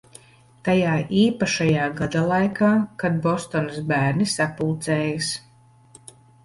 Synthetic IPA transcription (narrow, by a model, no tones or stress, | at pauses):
t̪ajaːʔiːpaʃajaːɡad̪alˠajkaːkad̪̚bɔst̪ɔnasbæːɾnisapulˠt̪sɛːjas